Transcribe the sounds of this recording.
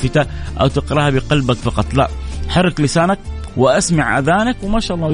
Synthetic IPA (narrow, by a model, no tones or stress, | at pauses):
fɪt̪aʔa̰wt̪ɪqɾˤɑhabɪqɑlbakfɑqɑt̪ˤla̰ʔħɑrˤːɪklɪsaːnak̚ | wɪʔasmaʕʔa̰ðaːnakwɪmaːʃaːʔɑlˤːɑː